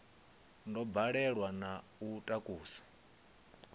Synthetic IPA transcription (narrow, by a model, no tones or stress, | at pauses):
ndɔbaɺɛɺwana | utʼakʼuːsḁ